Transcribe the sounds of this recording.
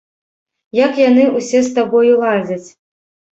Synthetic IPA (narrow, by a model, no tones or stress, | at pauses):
jakjanɨusʲɛst̪abɔjulˠazʲɐt͡sʲ